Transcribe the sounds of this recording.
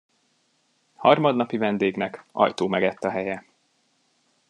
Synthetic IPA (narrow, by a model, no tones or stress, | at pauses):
hɒrmɒd̪nɒpivɛnd̪eːɡnɛkɒ̰jt̪oːmɛɡɛt̪ːɒɦɛjɛ